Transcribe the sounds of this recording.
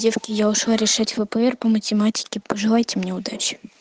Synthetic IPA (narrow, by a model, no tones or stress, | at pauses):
dʲefkʲɪjaʊʂlˠaɾʲɪʂatʲvəpəɛrpəmətʲɪmatʲɪ̥kʲɪpəʐɨlˠajtʲɪmnʲeʊd̪at͡ɕɪ̥